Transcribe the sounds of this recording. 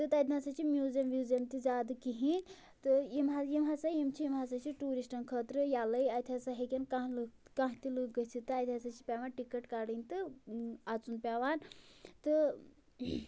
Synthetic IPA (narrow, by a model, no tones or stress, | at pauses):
t̪ɨt̪ad̪ʲnasɐt͡ʃʰimjuːzjɐmʋjuːzɐmt̪izaːd̪ɨkiɦĩ | t̪ɨjimɦajimɦasajimt͡ʃʰijimɦasɐt͡ʃʰiʈuːɾisʈɐnkʰət̪ɾɨjalɐjɐt̪ʰʲasɐɦikʲɐnkãɦlɨkãɦt̪ilɨɡɐt͡sʰit̪ɨɐt̪ʰʲasɐt͡ʃʰi̥pʲaːʋaːnʈikəʈkaɽɨnʲt̪ɨat͡sunpʲaːʋaːnt̪ɨ